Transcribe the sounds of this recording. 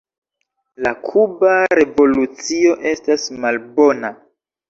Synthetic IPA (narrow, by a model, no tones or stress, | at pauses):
la̰kʰubaɾe̞vo̞lut͡sio̞ʔe̞stasmalbo̞na